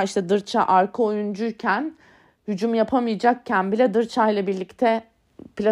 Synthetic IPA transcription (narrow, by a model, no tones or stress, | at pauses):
iʃt̪ʰɛd̪ɯɾt͡ʃʰa̰ʔaɾkʰoojund͡ʒyɾcʰæn | hyd͡ʒumjapʰamijd͡ʒak̚cʰænbilʲɛd̪ɯɾt͡ʃʰajlˠabiɾlʲict̪ʰɛ | plʲa